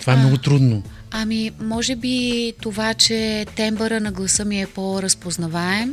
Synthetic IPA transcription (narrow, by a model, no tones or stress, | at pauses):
t̪ovaɛmnɔɡʊt̪ɾud̪no | ɐmimɔʒɛbit̪ovat͡ʃɛt̪ɛmbəɾənɐɡlˠɐsəmiɛpoɾəspoznɐvaɛm